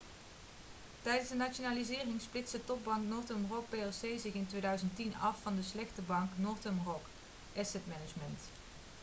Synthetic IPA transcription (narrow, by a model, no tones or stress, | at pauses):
tɛjdənzdənat͡ʃonaːlizɪːrɪŋsplɪsdətɔb̚bɑŋknʊːɹtəmrɔk̚peɛsejzɪχɪntʋejdœɥzəntinɑfːɑndəslɛxtəbɑŋknoːɹtəmrɔk | ʔɛsɛtmɛnəd͡ʒmənt